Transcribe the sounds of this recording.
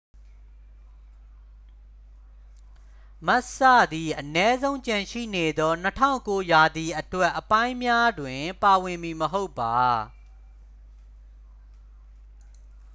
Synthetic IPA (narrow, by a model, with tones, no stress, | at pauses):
ma˦ʔsa̰˦˨d̪i˨ʔənɛ˦zõ˦ʊ̃ɲt͡ɕã˨ʃḭ˦˨ne˨d̪ɔ˦n̥ətʰã̰˦˨ʊ̃ko˦ja˨d̪i˨ʔətwɛ˦ʔːəpã˦ɪ̃mja˦dwɪ̃˨pa˨wɪ̃˨mi˨məɦo˦ʊpːa˨